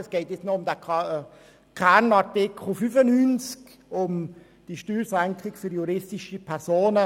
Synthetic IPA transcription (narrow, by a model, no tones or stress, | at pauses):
əsɡ̥ɛɪtjɛt͡snoʊmdæ | kʰɛnɑʁtɪkʰχl̩fyfənyːnt͡sk | ʊm | d̥iʃtyːlsɛŋkʁɪkfyɾjuɾɪstɪʃəpʰɛɾsoːnə